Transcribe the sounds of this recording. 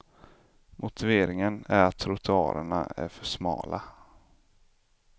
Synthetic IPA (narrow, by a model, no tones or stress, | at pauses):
mʔʊt̪ɪveːɾɪŋənæɾat̪ʰɾʊt̪ʰɛɑ̰ːɾəɳaæ̰ɾfœʂmɑ̰ːlʔa